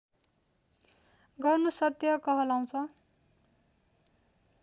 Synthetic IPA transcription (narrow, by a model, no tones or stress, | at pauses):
ɡʌrnusʌt̪jʌkʌɦʌlaw̃t͡sʰʌ